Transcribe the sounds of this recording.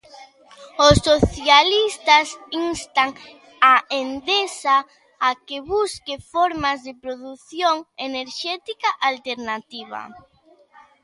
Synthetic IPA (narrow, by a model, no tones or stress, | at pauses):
osːoθjalist̪ɐsinst̪aŋ | aend̪esaː | keβuskefoɾmazðepɾoðuθjoŋeneɾʃɛt̪ikaʔalt̪eɾnat̪iβɐ̰